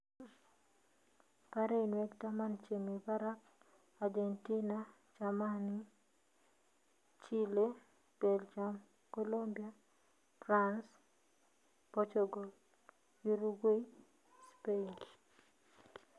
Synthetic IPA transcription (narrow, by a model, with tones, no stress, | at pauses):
ka˦ɾe˦inwɛ˦ktama˦nt͡ʃe˨mi˨ba˦ɾa˦k | a˨d͡ʒe˨nti˦na | t͡ʃama˦ni˦ | t͡ʃi˦le˦ | pe˨lt͡ʃam | ko˦lombia | fɾans | pɔt͡ʃoɡɔ˨l | ju˦ɾu˦ɡe˦i | spe˦n